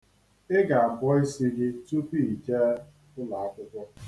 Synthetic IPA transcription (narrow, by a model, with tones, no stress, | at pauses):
ɪ˦ɡa˨a˨bɔ˦ɪ˦si˦ɡɪ˦tu˦pi˦i˨t͡ʃe˦ | ʊ˦la˨a˦kʷʊ˦kʷʊ˦